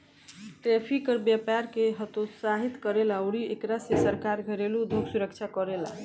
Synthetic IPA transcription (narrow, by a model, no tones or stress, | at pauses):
ʈɾɛpʰikəɾbjapaɾkeɦət̪osaɦit̪kəɾelaoɽiekɾasesəɾkaɾɡʱəɾelud̪ʱoɡsuɾəkt͡ʃʰakəɾela